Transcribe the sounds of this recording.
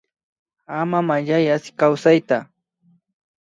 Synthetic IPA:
amamaʎajaskawsajt̪a

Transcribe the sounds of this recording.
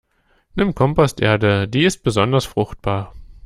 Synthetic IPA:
nɪmkʰɔmpɔstʔeːɐdədiːɪst̚b̥əzɔndɐsfʁ̥ʊxt̚b̥aːɐ

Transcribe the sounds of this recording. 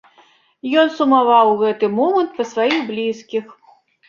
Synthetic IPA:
jɔnsumavawɣɛt̪ɨmɔmɐnt̪̚pɐsvajiɣblʲiskʲix

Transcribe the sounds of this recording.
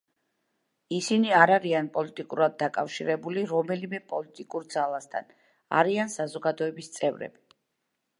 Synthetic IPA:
isiniaɾaɾianpʼɔlit̪ʼikʼuɾad̪̚ːakʼafʃiɾɛbuliɾɔmɛlimɛpʼɔlit̪ʼikʼuɾd̪zalˠast̪ʰa̰n | a̰ɾiansazɔɡad̪ɔɛbist̪sʼɛvɾɛ̰b̥i

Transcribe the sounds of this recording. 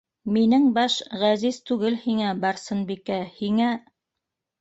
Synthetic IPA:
minɘŋbɑʃʁæzizt̪ʉɡɘlhiŋæbɑɾsɤnbikæhiŋæ

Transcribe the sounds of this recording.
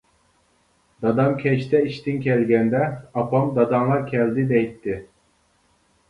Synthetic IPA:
d̪ɑd̪ɑmkʲʰɛʃt̪ʰɛiʃt̪ɪnkʲʰɛlɡʲɛnd̪ɛɑpʰɑmd̪ɑd̪ɑmlˠɑɾkʲʰɛld̪ɪd̪ɛjt̪ʰːɪ

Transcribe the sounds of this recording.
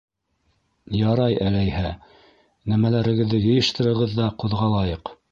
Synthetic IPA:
jɑɾɑjælæjhæ | næmælæɾɘ̆ɡɘ̆ðːɘjɤ̆jɤ̆ʃt̪ɤ̆ɾɤ̆ʁɤðːɑquðʁɑlˠɑjɤq

